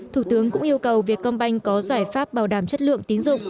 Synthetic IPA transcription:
t̪ʰuː˧˩t̪ɨ˨˦əŋkʊ̰˧˥ŋʔi˧əwkə˨˩wvi˨˩ək̚kːɔ˧nɓa˧jŋ̟kɔ˨˦zaː˧˩jfaː˦˥p̚ɓaː˧˩wɗaː˧˩mt͡ɕə˦˥t̚lɨ̰˧˨əŋt̪i˨˦ŋzʊ̰˧˨ŋ͡m

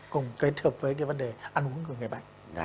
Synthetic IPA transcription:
kʊ˨˧˩ŋ͡mke˨˦˥t̚həː˨˩p̚vəː˨˦jk̬aː˨˦və˨˦nɗe˨˩ʔa˧nʔu˨˦əŋkɨ˧˩ŋ˨˩jɓa̰ː˧˨n

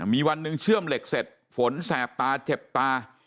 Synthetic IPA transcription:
miː˧wa˧nːɯ˧ŋt͡ɕʰɯ˥˩əmle˨˩k̚se˨˩t̪̚ | fo˩˦nsɛː˨˩p̚t̪aː˧t͡ɕe˨˩p̚t̪aː˧

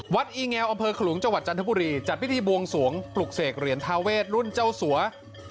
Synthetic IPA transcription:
wa˦˥t̪̚ʔiː˧ŋɛː˧wʔa˧mpʰɤː˧kʰa˧luː˩˦ŋt͡ɕa˧ŋwa˨˩t̪̚t͡ɕa˧nt̪ʰa˦˥buː˧ɾiː˧t͡ɕa˨˩t̪̚pʰi˦˥iː˧bu˧əŋsu˩˦əŋpʰlu˨˩k̚seː˨˩k̚ɾi˨˩˦nt̪ʰaː˧weː˥˩t̪̚ɾu˥˩nt͡ɕa˥˩wsu˩˦ɐ

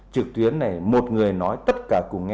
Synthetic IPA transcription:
t͡ɕɨ˨˩k̚t̪wi˨˦ənːa˨˩jmo˨˩t̚ŋɨ˨˩əjnɔ˨˦jt̪ə˦˥t̚kaː˧˩kʊ˨˧˩ŋ

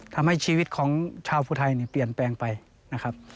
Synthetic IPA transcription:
t̪ʰa˧mha˥˩jt͡ɕʰiː˧wi˦˧t̪̚kʰɔː˩˦ŋt͡ɕʰaː˧wpʰuː˧˩t̪ʰa˧˩jniː˧˩pli˨˩ənpɛː˧ŋpa˨j | na˦˥kʰa˦˥p̚

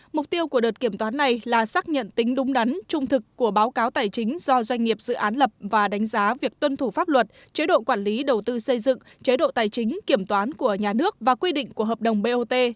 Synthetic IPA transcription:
mʊ˨˩k͡p̚t̪i˧əwku˧˩əɗəː˨˩t̚ki˧˩əmt̪waː˨˦nːa˨˩jlaː˨˩saː˦˥k̚ɲə̰˧˨nt̪ï˨˦ŋ̟ɗʊ˨˦ŋ͡mɗa˨˦ŋt͡ɕʊ˧ŋ͡mt̪ʰɨ˨˩kːu˧˩əɓaː˨˦wkaː˨˦wt̪aː˨˩jt͡ɕï˨˦ŋ̟z̥ɔ˧zwa˧jŋ̟ŋi˨˩əp̚z̥ɨ̰˧˨ʔaː˨˦nlə˨˩p̚vaː˨˩ɗa˨˦jŋ̟zaː˨˦vi˨˩ək̚t̪wə˧nt̪ʰu˧˩faː˦˥p̚lwə˨˩t̚ | t͡ɕe˨˦ɗo̰˧˨kwaː˧˩nli˨˦ɗə˨˩wt̪ɨ˧sə˧jzɨ̰˧˨ŋ | t͡ɕe˨˦ɗo̰˧˨t̪aː˨˩jt͡ɕï˨˦ŋ̟ki˧˩əmt̪waː˨˦nku˧˩əɲaː˨˩nɨ˦˥ək̚vaː˨˩kwi˧ɗḭ̈˧˨ŋ̟ku˧˩əɦəː˨˩p̚ɗə˨˩wŋ͡mɓe˧ʔo˧t̪e˧

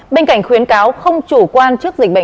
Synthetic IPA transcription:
ɓe˧nka̰˧˩jŋ̟xwi˨˦ənkaː˨˦wxə˧wŋ͡mt͡ɕu˧˩kwaː˧nt͡ɕɨ˦˥ək̚zï˨˩k̟̚ɓə̰˧˨

